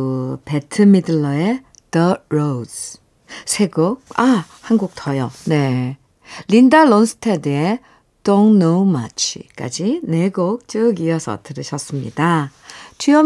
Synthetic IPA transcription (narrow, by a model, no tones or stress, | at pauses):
pe̞tʰɯmidɯɭːʌe | d̥ʌɾos | sʰe̞ɡok̚a | hanɡuk̚tʰʌjʌne̞ | lindalonsʰɯ̥tʰedee | d̥onːoma̰t͡ɕʰḭk͈a̰d͡ʑine̞ɡok̚t͡ɕ͈ɯɡiʌsʰʌ̰tɯɾɯɕʰʌs͈ɯmɲḭda | tʰiʌ